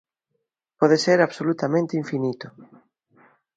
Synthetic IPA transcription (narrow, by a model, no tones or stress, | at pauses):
pɔðeseɾaβsolut̪amẽnt̪iɱfinit̪ʊ